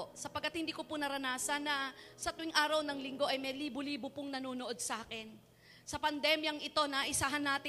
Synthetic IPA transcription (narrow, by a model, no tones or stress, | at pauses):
sɐpɐɡ̚kːɐt̪̚hɪnd̪iːkopʊnɐɾɐnaːsɐnːɐsɐt̪ʊɪŋʔaːɾɐwnɐŋlɪŋɡo̞ʔɐjmɐliːbʊliːbʊpʊŋnɐnoːnoʔo̞d̪̚sɐʔaːkɛn | sɐpɐnd̪ɛmjɐŋʔɪt̪o̞nɐʔɪsaːɦɐnːaːt̪ɪ